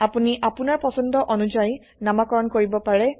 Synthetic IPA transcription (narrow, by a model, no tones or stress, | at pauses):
apuniʔapunaɹpɔsɔndɔʔɔnud͡ʒaj | namakɔɹɔnkoɹibɔpaɹɛ